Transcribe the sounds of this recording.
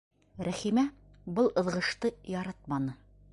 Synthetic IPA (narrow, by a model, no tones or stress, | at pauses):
ɾæχimæ | bɤlˠɤ̆ðʁɤ̆ʃt̪ɤjɒɾɑt̪̚mɑnɤ